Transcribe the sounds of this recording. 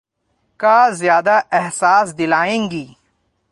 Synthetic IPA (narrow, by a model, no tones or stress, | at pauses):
kaːzjaːd̪aʔɛɦsaːs̬d̪ɪlaːẽːŋɡiː